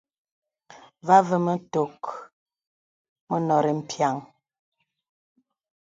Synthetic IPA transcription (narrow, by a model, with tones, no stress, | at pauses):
va˦və˨mə˦to˨k | mə˦nɔ˨ɾe˨m̩˨pja˨ŋ